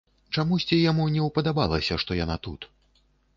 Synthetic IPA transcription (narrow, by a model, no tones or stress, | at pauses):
t͡ʂamusʲt͡sʲijamunʲɛwpɐd̪aba̰lˠɐsʲɐʂt̪ɔjanat̪ut̪